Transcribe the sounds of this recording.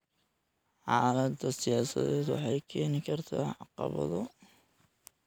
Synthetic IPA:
ħɑːlɐd̪ɐsɪjaːsɐ̰ðɛːd̪wɑ̰ħɑjkʰɛːnɪkʰɐrt̪ʰa̰ːʕɑqɑ̰βɐ̰ðɔ

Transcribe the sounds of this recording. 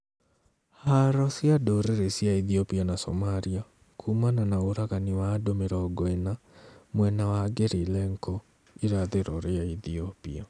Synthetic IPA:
haɾɔsjadoɾeɾesjaiðiɔpianasɔ̰maɾia | kʰumananaoɾaɣaniwaːdomeɾɔːɡɔena | mwɛnawaɡeɾilɛŋkʰɔ | iɾaðeɾɔɾeaiθiɔpḭa

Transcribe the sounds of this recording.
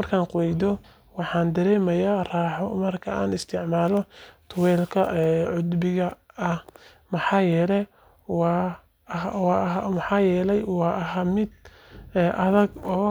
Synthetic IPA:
mɐrkʰaːnqʊwɛjd̪ɔ | wɑħɑːnd̪ɐɾɛːmɐjaːraːħɔmɐrkʰɐa̰ːnɪst̪ʰɪʕmaːlɔt̪ʰʊwɛːlkʰɐʔɛʕʊd̪bɪɣɐːh | mɑħɑːjɛːlɛ | wɑː | hwɑɦmħɑːjɛːlɛjwɑːʔɐɦamɪd̪̚ | ɛʔɐðɐɡɔː

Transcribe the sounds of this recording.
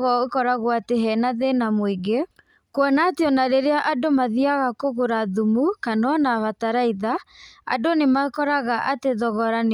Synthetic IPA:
ɣɔokɔɾaɣwateɦɛnaðenamoiɡe | kwɔnateɔnaɾeɾeaʔadomaðiaɣakoɣoɾaðumukanɔnaβataɾaiðaa̰donemakɔɾaɣaʔateðɔɣɔɾan

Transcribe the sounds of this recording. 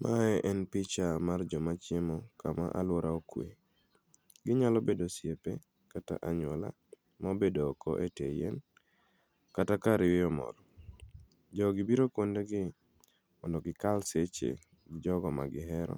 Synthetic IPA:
mʔaɛʔɛnpɪt͡ʃamard͡ʒɔmat͡ʃɪemɔkama̰ʔa̰lwoɾaokwḛ | ɡɪɲalobedosjepe | kata̰ʔaɲwɔla̰ | mabedoːkɔ̰ʔetejḛn | katakaɾɪwɪɔmɔ̰ɾɔ | d͡ʒɔɡɪbiɾokondeɡɪ | mɔndɔɡɪkalset͡ʃḛ | ɡɪd͡ʒɔɡɔma̰ɡɪɦɛɾɔ̰

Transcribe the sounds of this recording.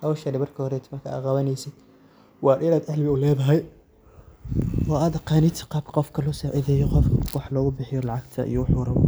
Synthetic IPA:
hawʃɐdɪβɐrkʰɐhɔɾɛt̪ʰɪmɐkʰɐa̰qɑβɐnɛjsɪd̪̥ | wɑːɾɪnaːd̪ʕɛhlbɪʊlɛːðɐɦɛj | wɑːaːd̪ɐqɑːnɪt̪ʰqɑːbqɔfkʰɐlɔsɛʔɪðɛːjɔqɔfkʰɐwɑħlɔːɣʊbɪħɪjɔlɑʕɑɡt̪ʰɐ̰ʔḭjɔħʊːɾɐ

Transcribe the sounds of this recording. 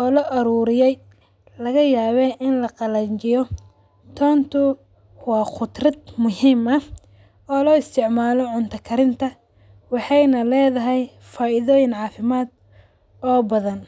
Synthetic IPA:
ʔɔːlɔʔɐɾuːɾɪjɛj | lɐɣɐjaːβɛʔɪnlɐqɑlɐɲt͡ʃɪjɔ | t̪ʰɔːnt̪ʰʊ | wɑːχʊd̪rɐd̪mʊɦiːmɐ | ɔːlɔːɪst̪ʰɪʕmaːlɔʕʊnt̪ʰɐkʰɐɾɪnt̪ʰɐ | wɑħɑjnɐlɛːðɐɦɛj | faːʔɪðɔːjɪnʕɑːfɪmaːd̪̚ | ɔːbɐðɐn

